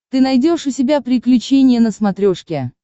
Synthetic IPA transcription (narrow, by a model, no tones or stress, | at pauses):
t̪ɨnɐjdʲo̞ʂʊsʲɪbʲapɾʲɪklʲʉt͡ɕenʲɪjənəsmɐt̪ɾʲoʂkʲɪ